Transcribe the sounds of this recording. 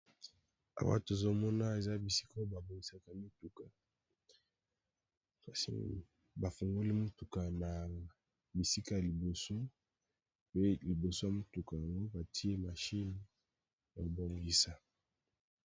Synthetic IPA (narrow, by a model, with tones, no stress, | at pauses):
a̰˨wa̰˦to˨zo˦mɔ˦na˦e˨za˦bi˨si˦ko˦ba˨bo˨ŋi˨sa˨ka˨mi˦tu˨ka˨ | ka˨sḭ˨ | ba˨fu˨ŋɡo˦li˦mo˦tu˨ka˨na˨ | bi˨si˦ka˦ja˨li˨bo˨so˦ | pe˦li˨bo˨so˦ja˨mo˦tu˨ka˨ja˨ŋɡo˦ba˨tʰi˦e˦ma˨ʃi˦ni˨˦ | ja˨bo˨mbi˨sa˨